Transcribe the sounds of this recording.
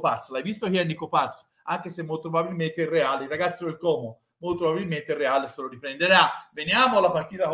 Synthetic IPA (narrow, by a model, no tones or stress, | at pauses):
pat̪slajvist̪okianːikopat̪s | aŋk̟esemːolt̪pɾobabilment̪eirːeaːleiraɡat̪sːod̪elkɔːmo | molt̪opɾobabilment̪erːeaːleseloɾipɾend̪eɾavenjaːmoalːapart̪iːt̪a